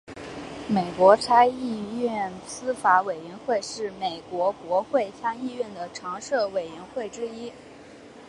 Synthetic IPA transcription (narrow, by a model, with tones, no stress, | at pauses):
me˨˩ɪkwɔ˧˥ʈ͡ʂʰa˥ɪi˥˧ɥɛ˥˩nsɹ̩˥fa˧˥we˨˩ɪɥɛ˧˥nxwe˥˧ɪʂɻ̩˥˩me˨˩ɪkwɔ˧˥kwɔ˧˥xwe˥˧ɪɕjɑ˥ŋi˥˧ɥɛ˥˩nd̪ə˩ʈ͡ʂʰɑ˧˥ŋʂɤ˥˩we˨˩ɪɥɛ˧˥nxwe˥˩ɪʈ͡ʂɻ̩˥i˥